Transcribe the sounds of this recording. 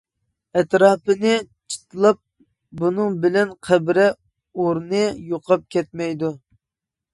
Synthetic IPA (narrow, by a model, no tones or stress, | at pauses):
ɛt̪ɾɑːpɨnɨt͡ʃʰə̥t̪ʰɨlˠɑp̚ | bunɨŋbɪlɛnqʰæbɾɛ | oɾnɨjoqʰɑp̚kʲɛt̪̚mɛjd̪u